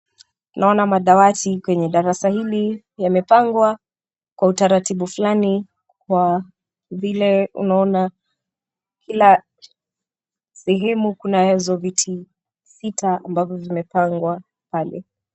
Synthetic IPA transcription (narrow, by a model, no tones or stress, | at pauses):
tunʔaɔnamaɗawatikwɛɲɛɗaɾasahili | jamɛpaŋɡwa | kwautaɾatiɓufulani | kwa | vilɛṵnaɔna | kʰila | sɛɦɛmukunaɛzɔvitʰi | sitaambavɔvimɛpaŋɡwa | palɛ̰